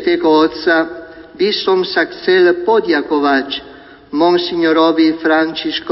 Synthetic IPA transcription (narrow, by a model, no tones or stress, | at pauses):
t̪ekɔt̪sa | bisɔmsaksɛlpɔd̪jakovat͡ʃ | mɔŋsiɲoɾɔvifɾant͡ʃisk